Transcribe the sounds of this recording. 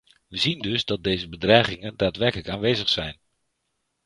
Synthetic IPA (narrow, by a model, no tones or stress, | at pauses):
ʋəzindɵzdɑd̚dejzəbədrɛjχɪŋəndaːtʋɛrkələkaːnʋejzəχsɛjn